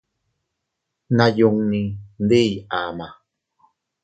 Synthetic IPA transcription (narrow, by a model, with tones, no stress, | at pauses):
na˨ju˧ŋnind̪e˦ja˨ma˨